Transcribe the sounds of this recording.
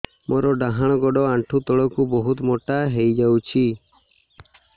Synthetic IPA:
mʔɔɾɔɖaɦaɽ̃ɔɡɔɖɔaɳʈʰut̪ɔɭɔkubɔɦut̪mɔʈaɦejd͡ʒawt͡ʃʰi

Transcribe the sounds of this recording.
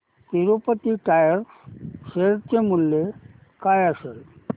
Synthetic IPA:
t̪iɾopət̪iʈajəɾ | seɾt͡ɕemulːe | kajəsel

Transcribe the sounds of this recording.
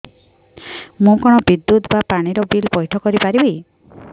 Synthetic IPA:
mũkɔɽ̃ɔbid̪ːut̪bapaɽ̃iɾɔbilbɔjʈʰɔkɔɾipaɾibi

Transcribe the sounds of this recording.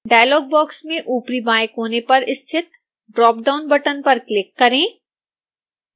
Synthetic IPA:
ɖaːjlɔːɡ̚bɔːksmẽʔuːpɾibaːɪkɦoːnepɐɾɪst̪ʰɪt̪̚ | ɖɾɔːp̚ɖaːʊnbɐʈənpɐɾklɪkːɐɾẽː

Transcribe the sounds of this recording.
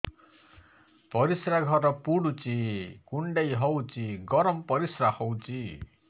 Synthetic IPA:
pɔɾisɾaɡʱɔɾɔpuɽut͡ʃikuɳɖejɦɔwt͡ʃiɡɔɾɔmɔpɔɾisɾahɔwt͡ʃi

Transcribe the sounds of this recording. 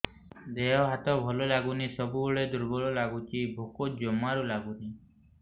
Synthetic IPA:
d̪eɦɔɦat̪ɔbʱɔlɔlaɡunisɔbubɔɭed̪uɾbɔɭɔlaɡut͡ʃibʱokod͡ʒɔmaɾulaɡuni

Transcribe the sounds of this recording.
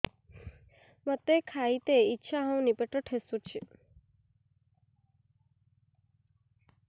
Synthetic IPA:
mət̪ekʰait̪eitːʃʰaɦə̃w̃nipeʈəʈʰesut͡ʃʰi

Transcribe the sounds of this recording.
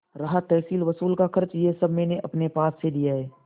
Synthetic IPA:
ɾaɦət̪ːɛːsiːlʋəsuːlkakʰɐɾt͡ʃjesəbʱmeːneʔɐpnepaːsːed̪ijaɦɛː

